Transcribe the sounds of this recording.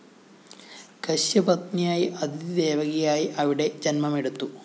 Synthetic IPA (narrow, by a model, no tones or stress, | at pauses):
kɐɕjɐbɐt̪nijaːjiʔɐd̪id̪eːʋɐɡɐjaːjiʔɐʋiɽe̞d͡ʑɐnmɐmeɽut̪ːu